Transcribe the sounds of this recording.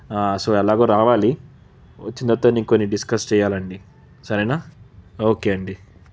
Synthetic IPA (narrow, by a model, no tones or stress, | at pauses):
aːsoːɛlaːɡoːɾaːʋaːli | ʋɐ̰t͡ʃːind̪ɐt̪ːoniːŋkonːiɖiskɐst͡ʃɛːjaːlɐɳɖi | sɐɾɛnaːoːkeːɐɳɖi